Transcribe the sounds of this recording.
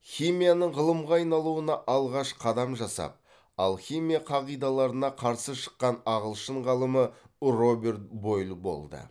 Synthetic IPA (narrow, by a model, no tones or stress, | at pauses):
χimijanəɴʁəlˠəmʁɑɑjnɑlˠuənɑʔɑlˠʁɑʃqʰɑd̪ɑmʒɑsɑ̰p̚ | ɑlˠχʲimijaqʰɑʁijd̪ɑlˠɑɾənɑqʰɑɾsəʃə̥qːɑnɑʁəlˠʃəɴʁɑlˠəmə | ro̞be̞ɾt̪̚bo̞jlˠbo̞̰lˠd̪ə̰